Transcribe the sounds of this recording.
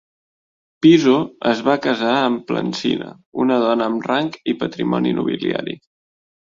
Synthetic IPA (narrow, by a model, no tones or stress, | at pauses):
pizoəzβakəzaəmplə̰nsinə̰ | unəð̞ɔnəːmraŋkipət̪ɾimɔninuβilia̰ɾi